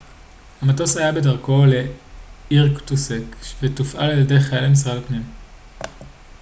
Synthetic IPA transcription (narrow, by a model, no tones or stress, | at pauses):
hamato̞shajabe̞daʁko̞le̞ | iʁktusekvetufʔaleːldejχaelamis̬ʁalpnim